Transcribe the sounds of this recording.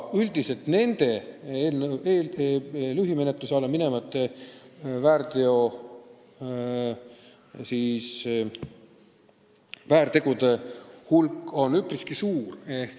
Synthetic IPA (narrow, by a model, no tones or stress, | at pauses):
yld̪̥ise̞lt̪ne̞nd̪̥e̞eːlneeːllyɦime̞net̪ˑlusɑlːemine̞mɑt̪ːˑe | væːɾt̪eo̞ | siːs | væːɾt̪e̞ɡ̥ud̪e̞hulkːˑo̞nypriskisuːrehk